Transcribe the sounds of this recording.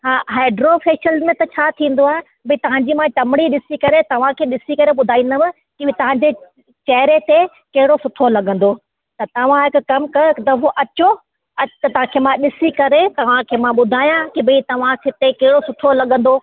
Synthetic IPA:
ɦaːɦaːɪɖɾofeːʃəlzmẽt̪ɐt͡ɕʰaːt̪ʰĩːn̆d̪oaːɦe | bɐĩt̪ɐʋ̤ãɲd͡ʑiːmãʈɐmɽ̃iɗɪsikɐɾet̪ɐʋ̤ãkʰeːɗɪsikɐɾeɓʊd̪ʱaːĩːn̆d̪əmɪ̃ | kit̪ɐʋ̤ãɲd͡ʑe | t͡ɕɐːɾet̪e | kɐɦɪɽosʊt̪ʰolɐɠə̃n̆d̪o | t̪ɐt̪ɐʋ̤ãɦɪkkɐmkɐt̪ɐɦoʔɐt͡ɕo | ɐt̪ɐʋ̤ãkʰemãɗɪsikɐɾet̪ɐʋ̤ãkʰeːmãɓʊd̪ʱaːjãkibĩt̪ɐʋ̤ãkɪt̪ekɐɦɪɽosʊt̪ʰolɐɠə̃n̆d̪o

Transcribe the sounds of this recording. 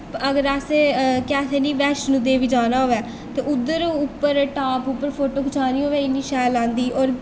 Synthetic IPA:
əɡəɾaseːkɛːseːniːʋɛːʃnũːd̪eːʋiːd͡ʒaːnaːɦoːʋɛː | t̪eːʊd̪ːəɾʊpːəɾʈaːpʊpːəɾpʰoːʈoːkʰʊt͡ʃʰaːnĩːɦoːʋeːɪnːiːʃɛːlãːnd̪iːʔɔːɾ

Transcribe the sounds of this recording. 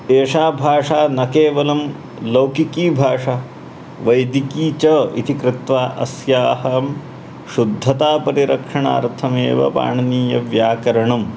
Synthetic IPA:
eːʂaːbʱaːʂaːnɐkeːʋɐlɐm | lɐwkikiːbʱaːʂaː | ʋɐjd̪ikiːt͡ʃɐḭt̪ikɾɪt̪ʋaːʔɐ̰sjaːhɐm | ʃud̪ʱːɐt̪aːpɐɾiɾɐkʂɐɳa̰ːɾt̪ʰɐmeːʋɐ̰pa̰ːɳɐniːjɐʋjaːkɐɾɐɳɐm

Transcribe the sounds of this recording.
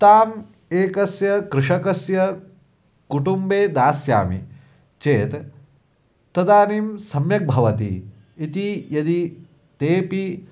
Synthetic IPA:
t̪aːm | eːkɐsjɐkɾɪʂɐkɐsjɐ | kuʈumbeːd̪aːsja̰ːmḭ | t͡ʃeːt̪ | t̪ːɐd̪aːnimsɐmjɐk̚bʱɐʋɐt̪ḭ | it̪ijɐd̪i | t̪eːpi

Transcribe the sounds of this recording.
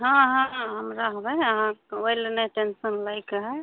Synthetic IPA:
ɦãɦãɦəmɾaɦbɛəɦãojlenəʈensənlajkɦɛ

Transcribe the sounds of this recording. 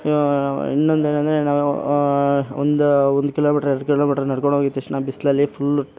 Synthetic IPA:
ḭnːond̪eːnɐnd̪ɐɾenaːʋu | ond̪uond̪ukiloːmiːʈɐɾeɾɽkiloːmiːʈɐɾnɐɽkoɳɦoɡit̪ːɐʂnaːbislɐlːipʰul

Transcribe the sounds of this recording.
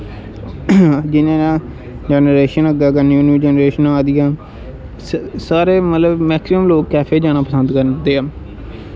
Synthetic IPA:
d͡ʒɪnẽːnãː | d͡ʒɛːnəɾeːʃənəɡaːkənjuːnid͡ʒɛːnɾeːʃənãːd̪ɪjãː | saːɾeːmət̪ləbmɛːksɪəmloːkːɛːpʰeːd͡ʒaːnaːpəsənd̪kəɾd̪eːaː

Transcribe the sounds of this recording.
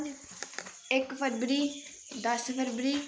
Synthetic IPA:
ɪkpʰəɾbɾiː | d̪əspəɾbɾiː

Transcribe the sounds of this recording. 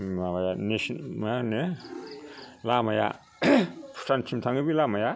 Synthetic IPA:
labajanesmane | lamaja̰ | pʰu̥sʰant͡ʃʰimtʰaŋɡibilamaja

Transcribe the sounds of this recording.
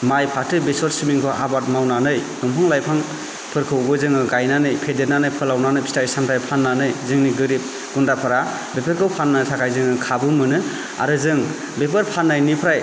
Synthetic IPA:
majpʰatɯbesɔɾsimiŋkʰɔʔa̰bat̚mawnanɯjɡɔmpʰaŋlajpʰaŋ | pʰɯɾkʰɯwɡɯzɯŋɯɡajnanɯjpʰedenanɯjpʰɯlawnanɯjpʰi̥taɾsamtʰajpʰanːanɯjzɯŋniɡɯɾip̚ | ɡ̥undapʰaɾa | bepʰeɾkʰɯwpʰanːatʰakʰajzɯŋɯkʰabɯmɯnɯ | a̰ɾɯzɯŋ | bep̬ɯɾpʰanːajnipʰɾaj

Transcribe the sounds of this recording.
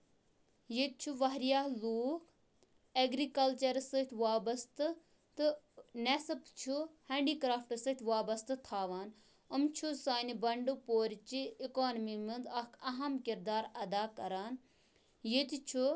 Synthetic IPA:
jet̪̚t͡ʃʰuʋɐɦɾijaːɦluːk | eɡɾikɐlt͡ʃɐɾsɨt̪ʰʲʋaːbɐst̪ɨ | t̪ɨ | nesɨpt͡ʃʰuheːɳɖiːkɾaːfʈɨsɨt̪ʰʲʋaːbɐst̪ɨt̪ʰaːʋaːn | əmt͡ʃʰusaːnibɐɳɖupoːɾt͡ʃiikoːnmimind̪ɐkɐɦɐmkiɾd̪aːɾɐd̪aːkɐɾaːn | jet̪t͡ʃʰu

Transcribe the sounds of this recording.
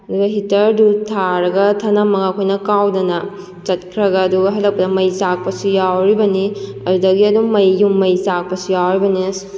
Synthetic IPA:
ɐduɡɐɦitɐɾdutʰaɾɐɡɐtʰɐnamːɐɡakʰojnɐkawdɐnɐ | t͡ʃɐt̚kʰɾɐɡɐːduɡɐɦɐlːɐk̚pɐdɐmɐjsak̚pɐsujawɾibɐniɐdudɐɡiɐdumɐjːumːɐjsak̚pɐsujawɾibɐnis

